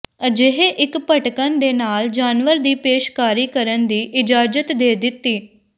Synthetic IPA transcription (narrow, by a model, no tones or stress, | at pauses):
əd͡ʒeɦeʔɪkpəʈkənd̪eːnaːld͡ʒaːnʋəɾd̪iːpeːʃkaːɾiːkəɾənd̪iːʔɪd͡ʒaːd͡ʒət̪d̪eːd̪ɪt̪ːiː